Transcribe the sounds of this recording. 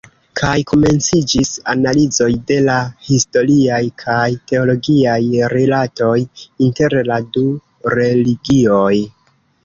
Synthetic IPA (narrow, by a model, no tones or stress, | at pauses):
kʰajko̞me̞nt͡sid͡ʒisa̰nalizo̞jde̞lahisto̞ɾiajkʰajte̞o̞lo̞ɡiajɾelato̞jinte̞ɾladu | ɾe̞liɡio̞j